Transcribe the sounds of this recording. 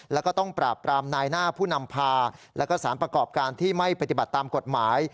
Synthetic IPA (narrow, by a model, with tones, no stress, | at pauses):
lɛː˦˥wkɔː˥˩t̪ɔ˥˩ŋpɾaː˨˩pːɾaː˧mnaː˧jnaː˥˩pʰuː˥˩na˧mpʰaː˧lɛ̰˦˥wkɔː˥˩saː˩˦npɾa˧kɔː˨˩p̚kaː˧nt̪ʰiː˥˩ma˥˩jpɾt̪i˨˩ba˨˩t̪ːaː˧mko˨˩t̪̚maː˩˦j